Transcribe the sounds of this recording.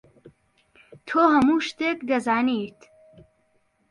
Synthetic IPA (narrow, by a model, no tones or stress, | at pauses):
t̪ʰoːɦɐmuːʃt̪eːkd̪ɐzaːnit̪